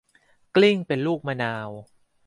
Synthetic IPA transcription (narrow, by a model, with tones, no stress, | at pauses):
kli˥˩ŋpe˧nluː˥˩k̚maː˧naː˧w